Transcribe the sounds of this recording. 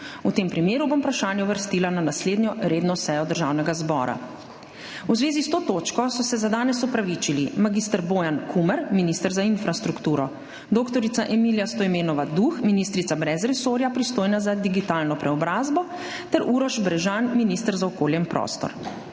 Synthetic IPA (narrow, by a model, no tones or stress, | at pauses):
ut̪eːmpɾimeːɾubompɾaʃaːnjɛʋəɾst̪ilananasleːd̪njɔɾeːd̪nɔsɛjɔd̪əɾʒaːwnɛɡazbɔ̰ːɾa̰ | wzʋeːzist̪oːt̪oːt͡ʃkɔsɔsɛzad̪aːnɛsɔpɾaʋit͡ʃilimaɡist̪əɾboːjankʰumɛɾminist̪əɾzainfɾast̪ɾukt̪uːɾɔ | d̪okt̪ɔɾit̪saʔɛmiljast̪ɔimeːnɔʋad̪uxminist̪ɾit̪sabɾɛzɾɛsoːɾjapɾist̪oːjnazad̪iɡit̪alnɔpɾɛɔbɾaːzbɔ | t̪ɛɾʔuɾɔʒbɾɛʒanminist̪əɾzaɔkoːljɛimpɾɔ̰st̪ɔ̰ɾ